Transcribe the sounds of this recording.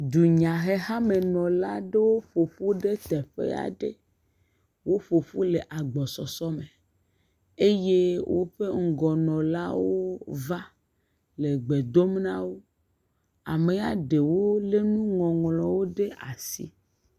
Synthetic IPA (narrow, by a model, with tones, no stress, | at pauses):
d̪u˨ɲã˨ɦe˦ɦa˦me˨nɔ̃˨la˦ɖe˦wo˦ɸo˨ɸu˦ɖe˦t̪ɛ˨ɸḛ˦a̰˨ɖḛ˦ | wo˦ɸo˨ɸu˦le˨ʔa˨ɡ͡bɔ˨sɔ˨sɔ˦me˨ | e˦je˦wʔo̰˦ɸe˦ŋ̩˦ɡɔ˨nɔ̃˨la̰˦wo˦va˦ | le˨ɡ͡be˨d̪o˦m˦nã˦wo˦ | a̰˨me˨a˨ɖe˨wo˦le˦nũ˦ŋɔ̃˨ŋlɔ̃˨wo˦ɖe˦ʔa˨sḭ˦